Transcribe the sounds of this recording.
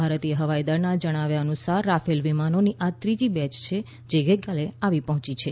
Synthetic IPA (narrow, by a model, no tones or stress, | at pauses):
bʱaɾət̪ieɦəʋajd̪əɾnad͡ʒəɽ̃aʋjaənusaɾːafelʋimanoniʔat̪ɾid͡ʒibɛt͡ʃt͡ʃʰe | d͡ʒeɡəjkaleaʋipəɦɔ̃t͡ʃit͡ʃʰe